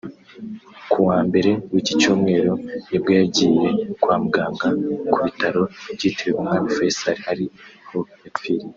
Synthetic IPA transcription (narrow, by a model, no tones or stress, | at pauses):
kʰuwaːmbe̞ɾe̞wicit͡ʃuːmŋe̞ːɾo̞jebɡaːjaɟiːje̞kwaːmuɡaːŋɡakʰuβitaɾo̞bɟiːtʰewewumhanofesaɾihaɾiho̞ | efiɾi